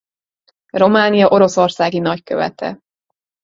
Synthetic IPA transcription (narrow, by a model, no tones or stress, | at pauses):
ro̞maːnijɒʔo̞ɾo̞so̞rsaːɡinɒckø̰vɛ̰t̪ɛ̰